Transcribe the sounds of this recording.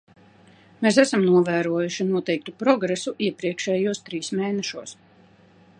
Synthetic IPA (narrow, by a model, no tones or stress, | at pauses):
meːs̬æsamnuɔvæːɾuɔjuʃinuɔt̪ɛjk̚t̪upɾɔɡɾesuʔiɛpɾiɛkʃɛːjuɔst̪ɾiːsmeːnɛʃuɔs